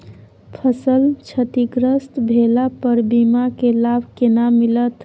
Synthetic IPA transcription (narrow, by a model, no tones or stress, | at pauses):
pʰəsəlt͡ʃʰət̪iɡɾəst̪bʱelapəɾbimakelabʱkenamilət̪